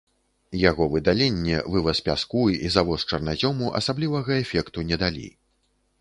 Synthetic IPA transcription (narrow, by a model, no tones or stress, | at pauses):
jaɣɔvɨd̪alʲenʲːɛ̰vɨvɐspʲa̰skujizavɔst͡ʂɐrnazʲɔmuʔɐ̰sablʲivɐɣɐɛfʲɛkt̪unʲɛd̪alʲḭ